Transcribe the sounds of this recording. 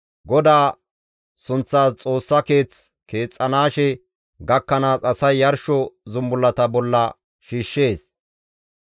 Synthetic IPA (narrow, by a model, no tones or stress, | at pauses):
ɡɔd̪aː | sʊnt͡sːaːst͡sʼo̞ːsːɐke̞ːt͡s | ke̞ːt͡sʼːɐnaːʃɛ | ɡɐkːɐnaːsɐsɐjːɐɾʃɔzʊmbʊlːɐt̪ɐbɔlːɐ | ʃiːʃːe̞ːs